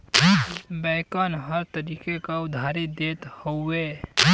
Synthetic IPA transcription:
bɛkanɦəɾt̪əɾiːkekaʊd̪ʱaːɾid̪eːt̪hoe

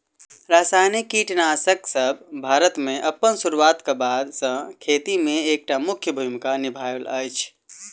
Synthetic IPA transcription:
ɾasajnikːiʈnasəksəb̚ʱbʱaːɾət̪meʔəpːənsuɾuwat̪kebad̪sə̃kʰet̪imẽek̚ʈamʊkʰjəbʱumkanibʱajlə̰jt͡ʃʰ

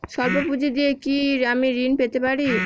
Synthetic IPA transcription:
ʃɔɾbopud͡ʑʱed̪iekiɾamiɾinpet̪epaɾi

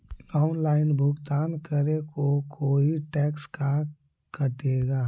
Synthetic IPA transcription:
laʊnlaːɪnbʱʊɡt̪aːnkəɾekokʰoːiʈɛːkska | kʰəʈeːɡaː

